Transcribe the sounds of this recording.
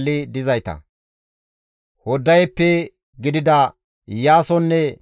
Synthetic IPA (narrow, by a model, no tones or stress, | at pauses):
lːɪd̪ɪzɐjt̪ɐ̰ | hɔd̪ːɐjpːɛ | ɡɪd̪ɪd̪ɐ | jaːsɔnːɛ